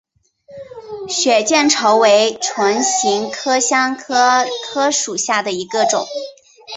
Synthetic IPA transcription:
ɕɥɛ˨˩t͡ɕjɛ˥˩nʈ͡ʂʰɤ˧˥ʊwe˧˥ɪʈ͡ʂʰwa˧˥nɕi˧˥ŋkʰɤ˥ɕjɑ˥ŋkʰɤ˥kʰɤ˥ʂu˨˩ɕja˥˩d̪ə˩i˧˥ɡə˧ʈ͡ʂʊ˨˩˦ŋ

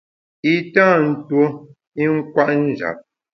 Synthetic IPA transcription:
i˦tãː˦˨n̩˦two˦ | i˦ŋ̩˦kwa˦ʔn̩˦d͡ʒa̰˨p̚

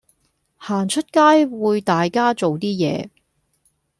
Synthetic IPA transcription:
haː˨˩nt͡ʃʰɵ˥t̚kaː˥jwuː˨˧jt̪aː˨jkaː˥t͡so˨wt̪iː˥jɛ̰ː˨˧

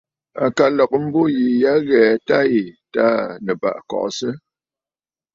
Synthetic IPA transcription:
a̰˨ka˨lɔ˨k̚m̩˦bo˦ji˨ja˦ɣɛ˨ta˦i˨ta˦nə˨ba̰˨ʔkɔ̰˨ʔsə˦

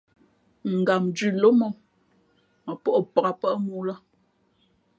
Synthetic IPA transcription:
ŋ̩˨ɡa˨md͡ʒʉ˦˨lo˦mɔ˦˨m | mə˨pɔ˦ʔpa˨ɣa˨pə˦ʔmu˦la˦

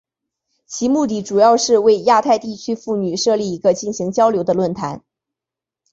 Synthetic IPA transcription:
t͡ɕʰi˧˥mu˥˧t̪̬i˥˩ʈ͡ʂu˨˩jɑ˥˧ʊʂɻ̩˥˧we˥˧ɪja˥˧t̪ʰa˥˧ɪt̪i˥˩t͡ɕʰy˥fu˥˩ny˨˩ʂɤ˥˧li˥˩i˧˥ɡə˧t͡ɕi˥˩nɕi˧˥ŋt͡ɕjɑ˥ʊljo˧˥ʊd̪ə˧lwə˥˩nt̪ʰa̰˧˥n

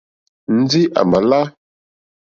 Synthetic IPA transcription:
n̩˦d͡zi˦ʔa̰˨ma˨la˦

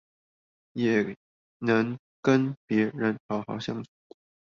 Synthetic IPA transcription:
jɛ˨˩ | nɤ˧˥ŋ | kə˥npjɛ˧˥ɻə˧˥nʈ͡ʂʰɑ˧˥ʊxɑ˧˥ʊɕjɑ˥˩ŋt͡sʰu˧˥˦

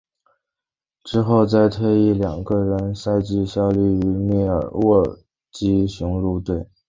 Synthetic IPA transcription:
ʈ͡ʂɻ̩˥xo˥˧ʊt͡sa˥˧ɪt̪ʰwe˥˧ɪi˥˩ljɑ˨˩ŋɡə˧ɻə˧˥nsa˥˧ɪt͡ɕi˥˧ɕjɑ˥ʊly˥˩y˧˥mjɛ˥˩ə̰˞˨˩wɔ˥˩ | t͡ɕi˥ɕjʊ˧˥ŋlu˥˧t̪we˥˩ɪ

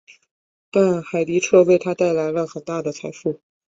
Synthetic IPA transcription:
t̪a˥˧nxa˨˩ɪli˧˥ʈ͡ʂʰɤ˥˧we˥˩ɪt̪ʰa˥t̪a˥˩ɪla˧˥ɪlə˧xə˨˩nt̪a˥˩d̪ə˩t͡sʰa˧˥ɪfu˥˩

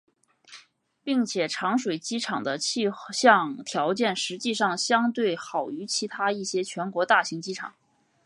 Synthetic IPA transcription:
pi˥˩ŋt͡ɕʰjɛ˨˩ʈ͡ʂʰɑ˧˥ŋʂwe˨˩ɪt͡ɕi˥ʈ͡ʂʰɑ˨˩ŋd̪ə˦t͡ɕʰi˥˧ɕjɑ˥˧ŋt̪ʰjɑ˧˥ʊt͡ɕjɛ˥˩nʂɻ̩˧˥t͡ɕi˥˧ʂɑ˥˩ŋɕjɑ˥ŋt̪we˥˩ɪxɑ˨˩ʊy˧˥t͡ɕʰi˧˥t̪ʰa˥i˥˩ɕjɛ˥t͡ɕʰɥɛ˧˥nkwɔ˧˥t̪a˥˩ɕi˧˥ŋt͡ɕi˥ʈ͡ʂʰɑ̰˨˩˦ŋ

